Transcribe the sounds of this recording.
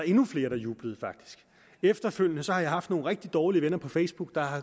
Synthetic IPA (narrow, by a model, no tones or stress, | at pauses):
e̝nufle̝ːɐɾɑjuːb̥ləð̞̩ˠfɑ̈ɡ̥̚d̥i̥sɡ̥ | efd̥ɐføl̰jənəsɒhɑ̈jɑ̈ɪhɑ̈fd̥no̝ːn̩ʁeɡ̥̚d̥id̥ɒːliəʋenɐpʰɒ̽fesb̥uɡ̥̚d̥ɑ̈ɑ